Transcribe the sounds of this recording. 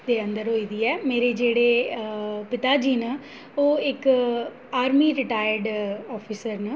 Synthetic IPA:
d̪eːənd̪əɾɦoːiːd̪iːɛːmeːɾeːd͡ʒeːɽeː | pɪt̪aːd͡ʒiːnə | oːɪk | aːɾmiːɾɪʈaːjəɾɖɔːpʰiːsəɾnə

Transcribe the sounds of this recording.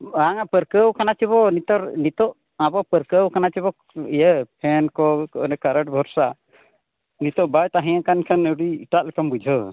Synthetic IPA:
aŋapəɾkəwkanat͡ʃiβɔnit̪ɔɾnit̪ɔʔ | abɔpəɾkəwkanat͡ʃiβɔ | ijəpʰɛnkɔkɔʔnɛkaɾəʈ̚bʱɔɾsa | nit̪ɔʔbajt̪aɦĩjãkankʰanəɽiːʈaʔlɛkambud͡ʒʱə

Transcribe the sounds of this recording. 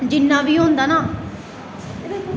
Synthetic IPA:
d͡ʒɪnːãːʋiːɦõːnd̪aːnaː

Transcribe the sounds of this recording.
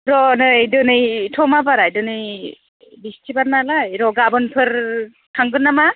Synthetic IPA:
ɾɔnɯdɯnɯjtʰɔmabaɾajdɯnɯj | bistʰibaɾnalajɾɔɡabɯnpʰɯɾ | kʰaŋɡɯnːama

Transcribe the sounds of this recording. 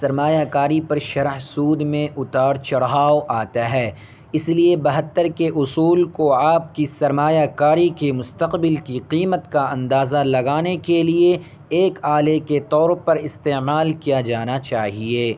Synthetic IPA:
sɐɾmaːjakaːɾipɐɾʃɐɾəɦsuːd̪mẽʔʊt̪aːɽt͡ʃɐɽɦaːoʔaːt̪aɦɛː | ɪsliebɐɦət̪ːəɾkeʔʊsuːlkoaːp̚kisɐɾmaːjakaːɾikemʊst̪əqbɪlkiqiːmət̪kaɐ̃nd̪aːzalɐɡaːnekelieː | kaːleket̪ɔːɾpɐɾɪst̪eːmaːlkijad͡ʒaːnat͡ʃaːɦieː

